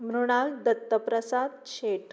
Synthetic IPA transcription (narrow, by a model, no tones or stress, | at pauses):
mɾuɽ̃ald̪ət̪ːəpɾəsad̪ɕeʈ